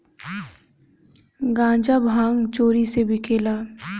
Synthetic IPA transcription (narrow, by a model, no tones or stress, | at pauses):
ɡãːd͡ʒabʱãːŋɡt͡ʃoːɾisebʱikʰeːlaː